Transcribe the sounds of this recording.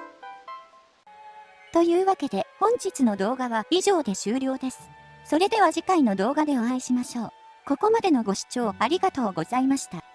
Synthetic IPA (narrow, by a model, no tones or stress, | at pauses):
t̪o̞jɯ̟ːβake̞d̪e̞hõ̞ɲ̟d͡ʑit͡sɨno̞d̪o̞ːɡaβaiʑo̞ːd̪e̞ɕɨːɾʲo̞ːd̪e̞sɨ̥ | so̞ɾe̞d̪e̞β̞aʑikaino̞d̪o̞ːɡad̪e̞oaiɕimaɕo̞ː | ko̞ko̞mad̪e̞no̞ɡo̞ɕi̥t͡ɕo̞ːaɾʲiɡat̪o̞ːɡo̞zaimaɕi̥t̪a